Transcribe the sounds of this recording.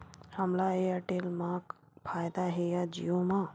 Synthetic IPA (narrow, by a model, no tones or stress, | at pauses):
həmlaeəʈelmãk | pʰaːjd̪aɦejad͡ʒḭjõmã